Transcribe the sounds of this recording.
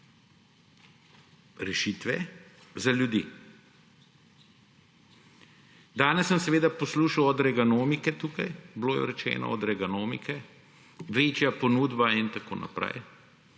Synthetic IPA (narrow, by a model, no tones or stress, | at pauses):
ɾɛʃit̪ʋɛzaljud̪iː | d̪aːnɛsːəmsɛʋeːd̪apɔsluːʃawɔd̪ɾɛɡanoːmikɛt̪uːkajbloːjɛ̰ɾɛt͡ʃɛ̰ːnɔ̰ɔd̪ɾɛɡanoːmḭkɛ | ʋeːt͡ʃjapɔnuːd̪baint̪ako̰ːna̰pɾɛ̰j